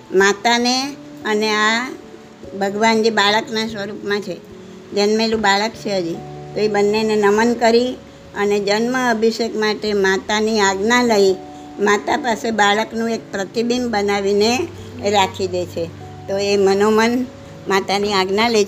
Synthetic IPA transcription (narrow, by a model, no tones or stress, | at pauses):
mat̪ane | ənea | bʱəɡʋand͡ʒebaɭəknasʋəɾupmãt͡ʃʰe | d͡ʒənmelũbaɭəkt͡ʃʰeɦəd͡ʒit̪oebənːenenəmənkəɾi | əned͡ʒənməəbʱiʃekmaʈemat̪aniaɡnaləi | mat̪apasebaɭəknũek̚pɾət̪ibimbənaʋine | ɾakʰid̪et͡ʃʰe | t̪oemənomən | mat̪aniaɡnale